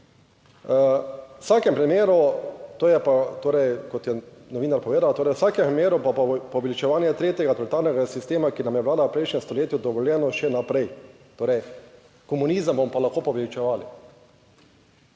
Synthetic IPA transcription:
wsaːkɛmpɾimeːɾut̪oːjɛpat̪oːɾɛjkɔt̪jɛnɔʋiːnaɾpɔʋeːd̪awt̪oːɾɛjwsaːkɛmpɾimeːɾupapɔʋɛlit͡ʃɛʋaːnjɛt̪ɾeːt̪jɛɡat̪ɔlit̪aːɾnɛɡasist̪eːmakinamjɛʋlaːd̪awpɾɛjʃnʲɛmst̪ɔleːt̪jud̪ɔʋɔljɛnɔʃɛnapɾɛj | t̪oːɾɛj | kɔmunizəmbomɔpalaxkoːpɔʋɛlit͡ʃɛʋaːli

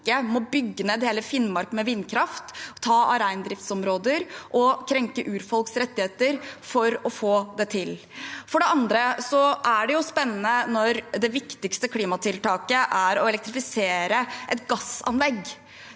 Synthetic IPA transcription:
əmɔbʏɡːəneːd̪heːləfɪnmɑɾkmɛʋɪnːkʰɾɑft̪ʰːɑːʔɑɾæɪnd̪ɾɪft̪sɔmɾoːd̪əɾʔɔkʰɾɛŋkəʔʉːɾfɔlksɾɛt̪ːɪheːt̪əɾfɔɾɔfoːd̪ɛt̪ʰɪl | fɔɖɛɑnd̪ɾəsɔʔæɖɛjʊspɛnːnənɔɾd̪ɛʋɪkt̪ɪkst̪əkʰliːmɑt̪ʰɪlt̪ʰɑːkəʔæɾɔɛlɛk̚t̪ɾɪfɪseːɾəʔɛt̪ɡɑsɑ̰nlɛɡ

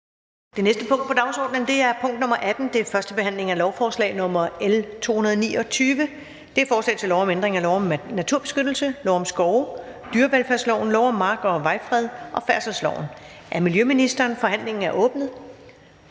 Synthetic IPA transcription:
d̥e̝nesd̥əpʰɔ̽ŋ̰d̥̚pʰɒ̽d̥ɑ̈ʊsɒ̰ːd̥nənd̥e̝æɐpʰɔ̽ŋ̰d̥nɔ̽mɐʔæd̥n̩d̥e̝fɶɐsd̥əb̥e̝ɦhæn̰le̝ŋælɒʊfɒːslɛ̰ːɪnɔ̽mɐelt͡sʰo̝̰ːhunɐðˠnḭːɒ̽t͡sʰyːʋə | d̥e̝æɐfɒːslɛ̰ɪt͡sʰe̝lɒʊɒmend̥ʁeŋælɒʊ̰ɒ̽mnæt͡sʰuɐ̰b̥e̝sɡ̥ød̥l̩səlɒʊ̰ɒ̽msɡ̥ɒʊd̥yːɐʋelfæɐslɒʊnlɒʊɒ̽mːɑ̈ːɡ̥ɒ̽ʋɑ̈ɪfʁɛð̞ˠʔɒ̽fæɐsɒslɒʊ̰n | ʔæɐmiljøminisd̥ɐːnfɒ̽hæn̰le̝ŋn̩æɐʔɔ̽ːb̥nð̩ˠ

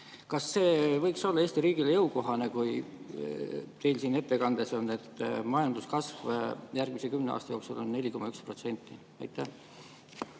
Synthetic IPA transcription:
kɑsːe̞ːvɤ̞jkso̞lːɑe̞ːsʲt̪iɾiːɡ̥ilejɤwko̞ɦɑne̞kuj | t̪e̞jlsiːne̞t̪ːe̞kɑnd̪̥e̞so̞nːe̞t̪ːˑmɑjɑnd̪̥uskɑsvjærɡ̥misekymneɑ̰ːst̪ɑjo̞ːksulo̞nːe̞lʲiko̞mɑykspro̞t̪se̞nʲt̪ːˑi | ɑ̰jt̪ːˑæh

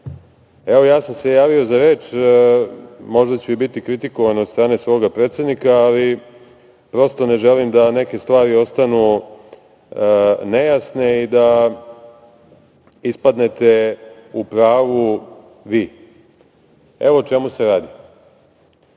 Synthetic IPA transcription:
eʋo̞jaːsamse̞jaːʋio̞zaɾeːt͡ʃ | mo̞ʒd̪at͡ɕuibit̪ikɾit̪iko̞ʋaneot̪st̪ɾaːne̞sʋo̞ːɡapɾeːt̪se̞d̪nikaːli | pɾo̞st̪o̞ne̞ʒelimd̪ane̞ke̞st̪ʋaːɾio̞st̪anu | nejasne̞id̪a | ispad̪ne̞t̪e̞upɾaːʋu | ʋiː | eʋo̞t͡ʃe̞museɾaːd̪i

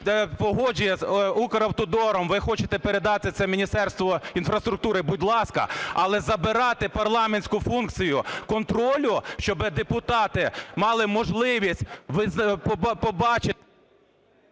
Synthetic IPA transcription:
pɔɦɔd͡ʒʊjɛzukɐɾɐwt̪ɔd̪ɔɾɔmʋɪxɔt͡ʃet̪ɛpeɾed̪ɑt̪ɪt̪sɛmʲinʲist̪ɛrst̪ʋɔinfɾɐst̪ɾʊk̚t̪uɾɪbudʲlˠɑskɐ̰ɐlˠɛzɐbɪɾɑt̪ɪpɐrlˠɑmenʲsʲkʊfunk̪̚t͡sʲijʊkɔnt̪ɾɔlʲʊʃt͡ʃɔbɪd̪epʊt̪ɑt̪ɪmɑlˠɪmɔʒlˠɪʋʲisʲt̚ʲʋɪzpɔbɑt͡ʃɪ

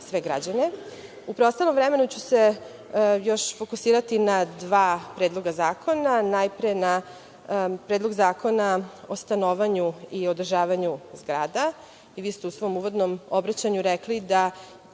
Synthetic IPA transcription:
sʋe̞ɡɾa̰d͡ʑane | upɾeost̪alo̞mvɾeme̞nut͡ɕuse | jo̞ʃfo̞kusiːɾat̪inad̪ʋaːpɾeːd̪lˠo̞ɡazaːkʰo̞nanajpɾena | pɾeːd̪lˠo̞ɡzaːkʰo̞nao̞st̪anoʋaɲuio̞d̪r̩ʒaːʋaɲuzɡɾaːd̪a | iʋiːst̪eusʋo̞muːʋo̞d̪nomobɾat͡ɕaɲuɾeklid̪a

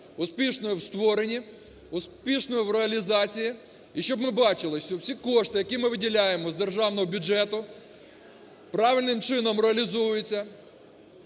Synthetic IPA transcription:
ʊspʲiʃnɔjiwst̪ʋɔɾenʲi | ʊspʲiʃnɔjiwɾeɐlʲizɑt͡sʲiji | iʃt͡ʃɔbmɪbɑt͡ʃɪlˠɪʃʲɔwsʲikɔʃt̪ɪjɐkʲimɪʋɪdʲilʲajemɔzd̪erʒɑwnɔɦɔbʲʊd͡ʒɛt̪ʊ | pɾɑʋʲɪlʲnɪmt͡ʃɪnɔmɾeɐlʲizujjʊt͡sʲːɐ

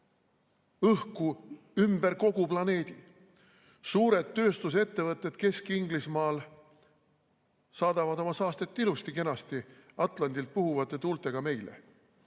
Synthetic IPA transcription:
ɤhku | ymbe̞ɾko̞ɡuplɑne̞ːd̪̥i | suːɾe̞d̪ːø̞ːst̪us̬e̞t̪ːe̞vɤt̪ːˑe̞d̪̥ke̞skiŋɡlismɑːl | sɑːd̪̥ɑvɑd̪o̞mɑsɑːst̪e̞t̪ːˑilust̪ike̞nɑst̪iɑt̪ˑlɑnd̪ilt̪̚puɦuvɑt̪ːe̞t̪uːlt̪ˑe̞ɡ̥ɑme̞jlḛ

